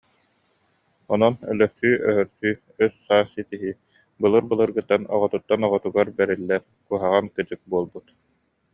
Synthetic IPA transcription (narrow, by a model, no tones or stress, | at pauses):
ɔnɔnœ̰lœɾsyːʔœɦœɾsyː | œsːaːsit̪iɦi | bɯlˠɯɾbɯlˠɯɾɡɯt̪ːanɔ̰ʁɔt̪ut̪ːanɔʁɔt̪uɡaɾbɛɾilːɛɾ | kuɦaʁankɯd͡ʑɯk̚buɔlˠbut̪